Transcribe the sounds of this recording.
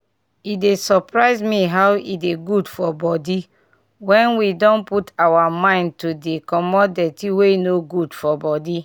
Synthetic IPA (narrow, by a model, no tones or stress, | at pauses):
idesɔpɹaɪzmiɦawʔideɡudfɔbɔdi | wɛ̃nwidɔ̃nputawamãɪ̃ntudekɔmɔdetiweinoɡudfɔbɔdi